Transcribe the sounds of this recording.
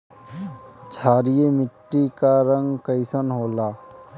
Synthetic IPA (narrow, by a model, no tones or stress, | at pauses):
t͡ʃʰaːɾijemɪʈːikaɾə̃ŋɡkəɪsənɦoːlaː